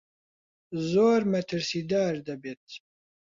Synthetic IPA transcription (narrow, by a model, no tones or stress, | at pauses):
zoːɾmɛt̪ʰɨɾsiːd̪aːɾd̪ɐbeːt̪̚